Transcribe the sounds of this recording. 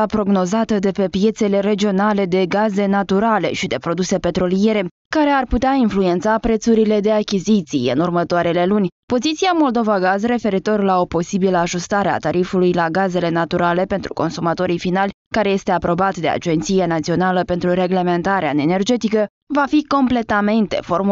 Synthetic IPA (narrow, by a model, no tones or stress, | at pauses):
apɾo̞ɡno̞zat̪əd̪e̞pe̞pje̞t̪se̞le̞ɾe̞d͡ʒio̞nale̞d̪e̞ɡaze̞nat̪uɾale̞̰ʃid̪e̞pɾo̞d̪use̞pe̞t̪ɾo̞lije̞ɾe̞ | kaɾe̞arput̪eainflue̞nt̪sapɾe̞t̪suɾile̞d̪e̞akʲizit̪sijɨ̰nurmət̪oaɾe̞le̞lunʲpo̞zit̪siamo̞ld̪o̞vaɡazre̞fe̞ɾit̪o̞rlao̞po̞sibiləaʒust̪aɾea̰t̪aɾifulujlaɡaze̞le̞nat̪uɾale̞pe̞nt̪ɾuko̞nsumat̪o̞ɾijfinalʲ | kaɾe̞je̞st̪e̞apɾo̞bat̪d̪e̞a̰d͡ʒe̞nt̪sijenat̪sio̞naləpe̞nt̪ɾure̞ɡle̞me̞nt̪aɾea̰ene̞rd͡ʒe̞t̪ikə | vafiko̞mple̞t̪ame̞nt̪e̞̰fo̞rm